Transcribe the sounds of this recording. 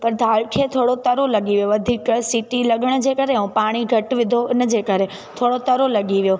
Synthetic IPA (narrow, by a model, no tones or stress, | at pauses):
pɐɾd̪ʱaːɭkʰet̪ʰoːɽot̪ɐɾolɐɠiʋjoɐd̪ʱiksiʈilɐɠəɽ̃d͡ʑeːkɐɾeũpaːɽ̃iɡʱɐʈʋɪd̪ʱoɪnə̆d͡ʑeːkɐɾe | t̪ʰoːɽot̪ɐɾolɐɠiʋjo